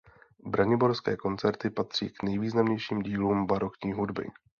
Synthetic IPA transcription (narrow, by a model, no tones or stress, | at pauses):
bɾaɲɪboɾskɛːko̞nt͡sɛɾt̪ɪpat̪r̝̥ḭːknɛjviːznamɲɛjʃiːmɟiːluːmbaɾokɲiːɦudbɪ̰